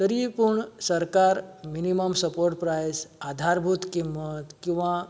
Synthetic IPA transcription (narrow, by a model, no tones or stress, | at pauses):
t̪əɾipuɳsəɾkaɾminiməmsəpoɾʈ̚pɾajsad̪ʱaɾbʱut̪kimːət̪kĩw̃ʋã